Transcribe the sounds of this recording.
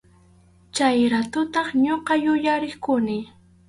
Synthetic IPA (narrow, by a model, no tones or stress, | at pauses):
t͡ʃajɾat̪ʊt̪ɑχɲoqɑjʊjaɾɪχkʊnɪ